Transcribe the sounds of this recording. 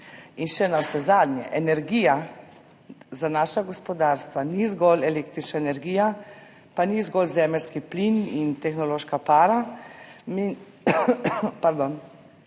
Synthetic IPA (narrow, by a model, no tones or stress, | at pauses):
inʃɛnawsɛzaːd̪njɛ̰ʔɛnɛɾɡija | zanaːʃaɡɔspɔd̪aːɾst̪ʋanizɡɔlɛlekt̪ɾit͡ʃnaɛnɛɾɡija | panizɡɔlzɛːmɛlskiplinint̪ɛxnɔloːʃkapaːɾa | mi | paɾd̪oːn